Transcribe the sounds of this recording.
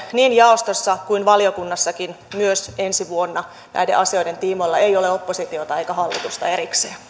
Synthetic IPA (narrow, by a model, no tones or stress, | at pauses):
niːnjɑost̪osːɑkuinʋɑlijokunːɑsːɑkin | myøsensiʋuonːɑ | næ̰jdḛʔɑsio̞jde̞nt̪iːmolːɑejo̞leopːosit̪iot̪ɑeikæɦɑlːit̪ust̪ɑ̰e̞ɾikseː